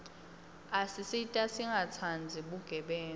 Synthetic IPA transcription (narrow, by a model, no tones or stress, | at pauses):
asisitʼasiŋɡʱat͡sʰand͡zʱiɓuɡ̥ʱɛɓɛːn